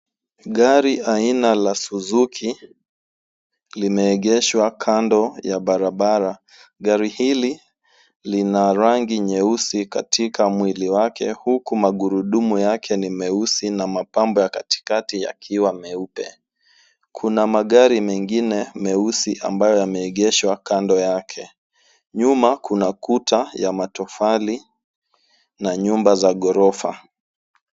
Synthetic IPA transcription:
ɠaɾiʔainalasuzukʰi | limɛːɠɛʃwakʰandɔjaɓaɾaɓaɾa | ɠaɾihili | linaɾaŋɡiɲɛusikatʰikʰamwiliwakɛhukumaɠuɾuɗumujakʰɛnimɛusinamapambɔjakati̥katija̰kʰiwamɛupɛ̰ | kʰunamaɠaɾimɛŋɡinɛmɛusiʔa̰mbajɔjamɛiɠɛʃwakandɔjakʰɛ | ɲumakʰunakutʰajamatɔfali | naɲumbazaɠɔɾɔfa̰

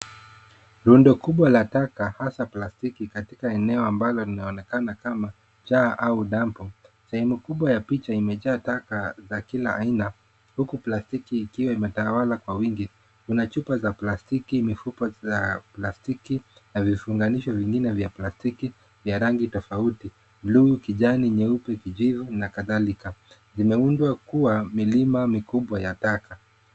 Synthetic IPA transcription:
ɾundɔkuɓwalatakahasaplastikikatikaɛnɛɔambalɔlinaɔnɛkanakama | t͡ʃaʔauɗampɔ | sɛhɛmukuɓwajapit͡ʃaimɛʄaːtakazakilaʔaina | hukuplastikiːkiwaimɛtawalakwawiŋɡi | kunat͡ʃupazaplastikimifupɔzaplastikinavifuŋɡaniʃɔviŋɡinɛvjaplastiki | vjaɾaŋɡitɔfauti | luukiʄaniɲɛupɛkid͡ʒivunakaðalika | zimɛundwakuwamilimamikuɓwajataka

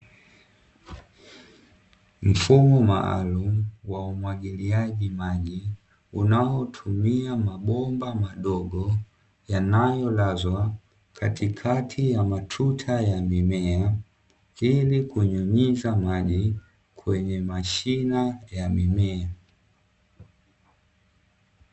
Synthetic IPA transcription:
m̩fumɔma̰a̰lumuwaumwaɠiliaʄimaʄi | unaɔtʰumiamaɓɔmbamaɗɔɡɔ | janajɔlazwa | kʰatikʰatʰijamatʰutʰajamimɛa | ilikuɲɔɲizamaʄi | kʰwɛɲɛmaʃinajamimɛa

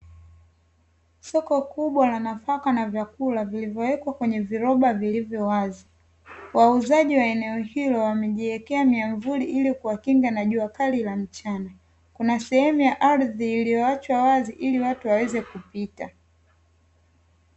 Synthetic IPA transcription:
sɔkɔkuɓwalanafakanavjakulavilivjɔwɛkwakwɛɲɛviɾɔɓavilivjɔwazi | wauzaʄiwaɛnɛɔhilɔwamɛʄiɛkɛamiaɱvuliʔilikuwakiŋɡanaʄuakalilam̩t͡ʃana | kunasɛhɛmujaʔaɾðiːlijɔat͡ʃwawaziʔiliwatuwawɛzɛkupita

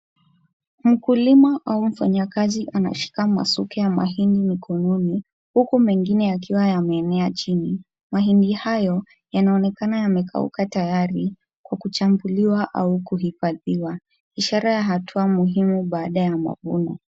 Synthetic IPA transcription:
m̩kulimaʔaum̩faɲakaziʔana̰ʃi̥kama̰sukɛjama̰ɦindimikʰɔnɔni | hukumɛŋɡinɛak̬iwajamɛːnɛat͡ʃini | maɦindihajɔ | janaɔnɛkanajamɛkʰa̰ṵkatajaɾi | kwakut͡ʃambuliwaʔaukuɦifaðiwa | iʃaɾajaɦatʰuamuɦimuɓaːɗajama̰vṵna

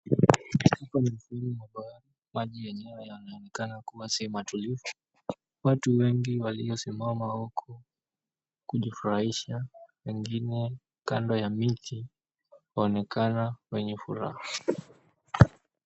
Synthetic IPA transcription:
akamim̩finimaɓaa | maʄijɛɲɛwajanaɔnɛkanakuwasimatulifu̥ | watuwɛŋɡiwaliɔsimamawɔkʰɔ | kuʄifuɾahiʃawɛŋɡinɛ | kandɔjamitʰi | waɔnɛkanawɛɲɛfuɾa̰ha

